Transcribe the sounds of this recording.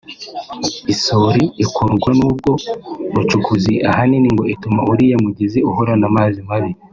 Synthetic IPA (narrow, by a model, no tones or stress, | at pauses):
isoɾiːkuɾɡwanuːb̚ɡo̞ɾut͡ʃukʰuziʔahaniniŋɡo̞itumauɾijamuɟiziuhoɾanamazimaβi